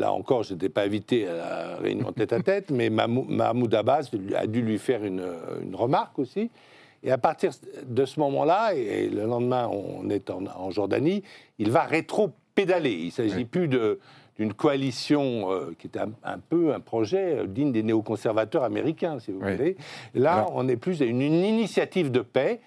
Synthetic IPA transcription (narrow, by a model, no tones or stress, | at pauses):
la̰ɑ̰̃kɔʁʒet̪ɛpaẽvit̪eala̰ʁḛy̰iɑ̰̃t̪ɛt̪at̪ɛt̪mɛma̰muma̰mud̪abasa̰d̪ylɥifɛʁyn̰y̰nʁəmaʁkosi | eapaʁt̪iʁd̪əsəmɔmɑ̰̃laḛləlɑ̃d̪mɛ̃ɔ̰̃nɛt̪ɑ̃ɑ̃ʒɔʁd̪a̰ni | ilvaʁet̪χoped̪aleḭlsaʒiplyd̪əd̪̥ynkɔalisjɔ̃økʲiɛt̪ɛ̃ɛ̰̃pøɛ̃pχɔʒɛø̰d̪iɲd̪eneokɔ̃sɛʁvat̪œʁamḛʁikʲɛ̃sivuvulelaɔ̃nɛplys̬aynninisjat̪ivd̪əpɛ